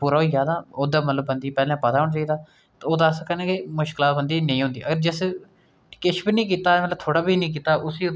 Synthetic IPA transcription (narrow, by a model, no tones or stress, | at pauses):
puːɾaːɦoiːd͡ʒaːd̪aːoːd̪aːmət̪ləbːənd̪iːpɛːlãːpət̪aːʊɳt͡ʃaːiːd̪aː | t̪ːoːd̪asəkʰənɛːkɪmʊʃkɪlaːbənd̪iːnə̃ĩːɦʊ̃nd̪iːʔəɡəɾd͡ʒɪs | kɪʃbiːnĩːk̬iːt̪aːmət̪ləb̚t̪ʰoːɽaːbiːnĩːk̬iːt̪aːʔʊsiː